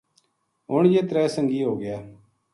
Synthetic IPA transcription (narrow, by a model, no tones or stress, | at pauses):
ɦʊɳjeːt̪ɾɛːsəŋɡiːɦoːɡɪjaː